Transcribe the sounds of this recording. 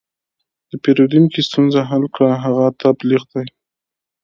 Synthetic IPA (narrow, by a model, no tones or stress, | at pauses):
d̪̥əpeɾod̪imkest̪unzaɦalkɽaɦaɣat̪ʰabliɣd̪aj